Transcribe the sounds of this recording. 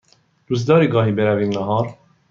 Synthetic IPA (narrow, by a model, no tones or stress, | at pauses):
d̥̪uzd̪ɑːɾiːɡɑːɦiːbeɾævinnɑɦɑːɾ